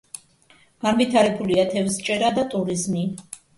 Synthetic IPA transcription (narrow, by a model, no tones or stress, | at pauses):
ɡ̥anvit̪ʰaɾɛbuliat̪ʰɛvst͡ʃʼɛɾad̪at̪ʼuɾizmi